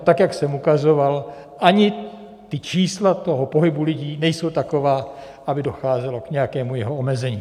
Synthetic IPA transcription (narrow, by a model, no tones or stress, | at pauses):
t̪akjaksɛmukazo̞val | ʔaɲɪ | t̪ɪt͡ʃiːslat̪o̞ɦopo̞ɦɪbulɪɟiːnɛjso̞wt̪ako̞vaː | ʔabɪdo̞xaːzɛlo̞kɲɛjakɛːmujɛɦoomɛzɛɲiː